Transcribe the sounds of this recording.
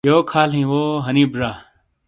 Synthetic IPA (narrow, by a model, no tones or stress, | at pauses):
joːkʰaːlɦĩːʋoːɦəniːbzaː